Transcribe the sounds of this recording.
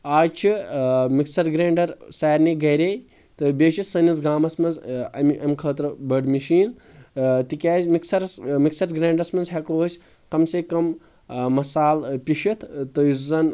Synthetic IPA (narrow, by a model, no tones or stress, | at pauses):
aːt͡ʃʰimiksɐɾɡɾeːɳɖɐɾsaːɾniɡɐɾej | t̪ɨbʲeːʃisɐnizɡaːmɐsmɐnzɐmʔɐmʲkʰɐːt̪ɾɨbɐɖmiʃiːn | t̪ikʲaːzʲmiksɐɾsmiksɐɾɡɾeːɳɖɐsmɐnzɦɐkosʲ | kɐmsekɐmː | ɐsaːlpʲiʃit̪ʰt̪ɨjizɐn